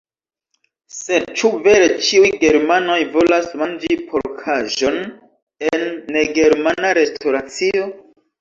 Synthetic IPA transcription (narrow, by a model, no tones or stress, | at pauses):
se̞d̚t͡ʃuve̞ɾe̞t͡ʃiujɡe̞ɾmano̞jvo̞lasmand͡ʒipʰoɾkʰaʒo̞n | enːe̞ɡe̞ɾmanaɾe̞stʰoɾat͡sio̞